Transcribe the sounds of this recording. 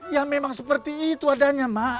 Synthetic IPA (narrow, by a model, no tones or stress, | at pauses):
jamemaŋsəpərt̪iːt̪uadaɲama